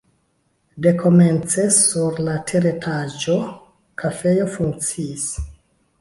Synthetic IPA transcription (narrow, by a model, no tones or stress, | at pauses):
de̞kʰo̞me̞nt͡se̞suɾlatʰeɾetʰad͡ʒo̞ | kʰafe̞jo̞fuŋk̚t͡siːs